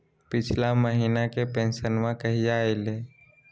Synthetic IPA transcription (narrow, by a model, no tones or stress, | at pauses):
pɪt͡ʃʰlaməɦiːnakepẽnsənmãkəɦiaːele